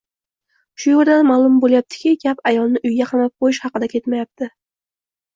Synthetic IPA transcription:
ʃʊjoɾd̪anmalˠʊmbolˠjap̚t̪ʰɪ̥kʲɪɡʲapajɒlˠnɪʔʊjɡʲaqʰɑmap̚qʰojɪʃhɑqɨd̪akʲʰe̞t̪majap̚t̪ʰɪ

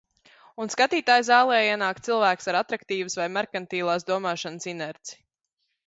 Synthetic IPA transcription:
unskat̪iːt̪aːjzaːlˠɛːjiɛnaːkt̪silˠvæːksaɾat̪ɾakt̪iːvɨsvajmaɾkant̪iːlˠaːsd̪uɔmaːʃansinɛɾt̪si̥

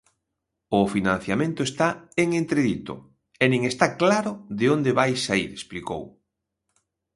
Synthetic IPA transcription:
ʊfinãn̟θjamẽnt̪ʊest̪aeŋent̪ɾeðit̪ʊ̰ | ɛnĩŋest̪aklaɾʊðeond̪eβajsːaḭɾespliko̰w

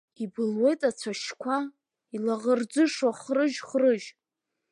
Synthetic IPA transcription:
ibɨlwe̞jtʼat͡sʷʰaʃkʷʰa | ilaʁərd͡zɨʂwaχrɨʒχrɨʒ

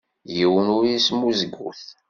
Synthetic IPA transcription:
jiwənʊɾjismuzəɡːṵθ

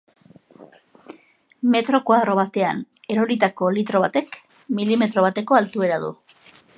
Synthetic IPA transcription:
me̞t̪ɾo̞kuaðɾo̞β̞at̪e̞a̰n | e̞ɾo̞ɾit̪ako̞lit̪ɾo̞β̞at̪e̞k | milime̞t̪ɾo̞β̞at̪e̞ko̞alt̪ue̞ɾaðṵ

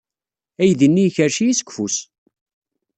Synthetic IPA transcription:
æjðənːijçəɾʃijisə̥ɡʷfus

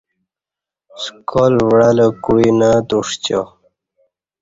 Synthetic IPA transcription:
skʰolvɽaləkuinat̪uʂt͡ɕo̰

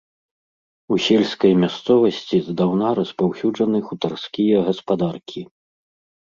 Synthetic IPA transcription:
usʲɛlʲskɐjmʲast̪sɔvɐsʲt͡sʲizd̪awnaɾɐspawsʲud͡ʐɐnɨxut̪arskʲijɐɣɐspad̪arkʲʰi

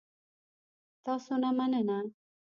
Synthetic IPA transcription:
t̪asonamanena

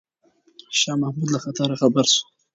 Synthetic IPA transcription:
ʃɑːmahmud̪laxat̪aɾaxabaɾsu̥

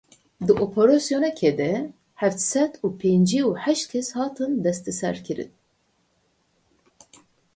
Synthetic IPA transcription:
d̪ɨʔopʰoɾɑsjonɛkʰeːd̪ɛ | ħæft̪sɛt̪uːpʰeːnd͡ʒiuħæʃt̪̚kʲʰɛshɑːt̪ʰɨnd̪ɛst̪ɛsɛ̰ɾkʰɨɾɨ̰n

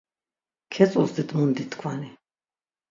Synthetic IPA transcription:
kʰɛt͡ssʼulsd̪id̪ʼmund̪it̪ʰkʰwani

